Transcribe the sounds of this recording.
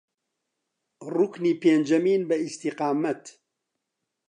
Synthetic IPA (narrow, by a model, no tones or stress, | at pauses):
rukniːpeːnd͡ʒɐmiːnbɐist̪iqɑːmɐt̪